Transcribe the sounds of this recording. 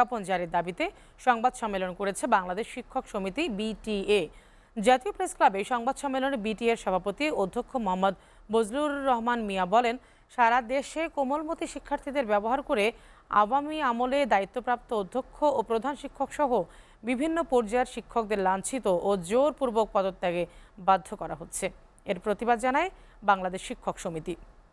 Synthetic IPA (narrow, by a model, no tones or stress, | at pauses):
apond͡ʑaɾiɾd̪abit̪e | ʃɔŋbad̪ʃɔmːelonkoɾet͡ɕʰebaŋlad̪eʃʃikʰːokʃomit̪ibiʈie | d͡ʑat̪iopɾesklabeʃɔŋbad̪ʃɔmːelonebiʈieɾʃɔbʱapot̪iod̪ʱːokʰːomoɦamːod̪ | bod͡ʑlulːɔɦmanmiabɔlen | ʃaɾad̪eʃekomolmot̪iʃikʰːaɾt̪ʰid̪eɾbɛboɦaɾkoɾe | a̰wamiamoled̪ait̪ːopɾap̚t̪ood̪ʱːokʰːoopɾod̪ʱanʃikʰːokʃɔɦo | bibʱinːopoɾd͡ʑaeɾʃikʰːok̚d̪eɾlant͡ɕʰit̪oʔod͡ʑoɾpuɾbok̚pɔd̪ot̪ːaɡebad̪ʱːokɔɾaɦotːɕʰe | eɾpɾot̪ibad̪d͡ʑanaebaŋlad̪eʃʃikʰːokʃomit̪i